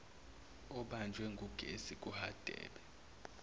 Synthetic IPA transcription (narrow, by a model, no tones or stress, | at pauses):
ɔɓand͡ʒʱwɛŋɡʱuɡ̥ʱesik̬ʼuhad̥ʱɛ̰ːɓɛ